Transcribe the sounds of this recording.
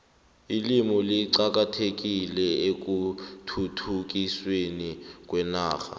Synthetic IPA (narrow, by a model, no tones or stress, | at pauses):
ilimɔliǀak̬atʰek̬ilɛek̬utʰutʰuk̬iswenik̬ʼwɛnaːxa̰